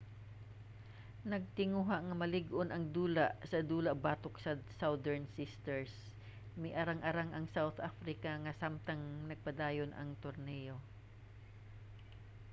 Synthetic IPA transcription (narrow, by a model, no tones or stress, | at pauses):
nɐɡ̚t̪ɪŋuɦaʔŋɐmɐlɪɡʔonʔɐŋd̪uːlaʔsɐd̪uːlɐʔbaːt̪oksɐsawd̪ɛɹnsɪst̪ɛɹs | mɪjʔɐɾaŋʔɐɾaŋʔɐŋsawt̪ʔafɾɪkɐŋɐsamt̪ɐŋnɐɡ̚pɐd̪aːjonʔɐ̰ŋt̪oɾnɛjo̞